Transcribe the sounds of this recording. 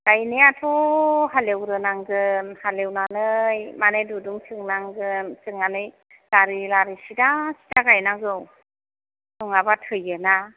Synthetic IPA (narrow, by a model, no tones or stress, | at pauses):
ɡ̥ajniatʰɔɦalewɾɯnaŋzɯnhalewnanɯjmanɯjduduŋsʰɯŋnaŋɡɯnsɯŋanɯj | laɾilaɾisidasi̥daɡajnaŋzɯw | nuŋabatʰɯjɯna